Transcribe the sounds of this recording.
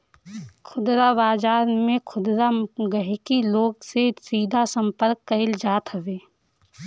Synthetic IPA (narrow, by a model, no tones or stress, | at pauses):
kʰʊd̪ɾabaːd͡ʒaːɾmẽkʰʊd̪ɾaɡɐɦekiloːɡsesiːd̪ʱasə̃mpəɾkːɐɪld͡ʒaːt̪ɦɐʋeː